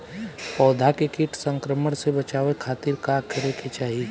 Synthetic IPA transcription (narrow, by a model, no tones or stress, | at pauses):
pɔːd̪ʱakɪkɪʈsə̃ŋkɾəməɽsebɐt͡ʃaːʋekʰaːt̪ɪɾkakʰɪɾekʰet͡ʃaːɦii